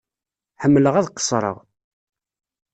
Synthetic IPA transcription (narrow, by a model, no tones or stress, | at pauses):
ħəmːləʁæðqə̥sˤɾˤə̰ʁ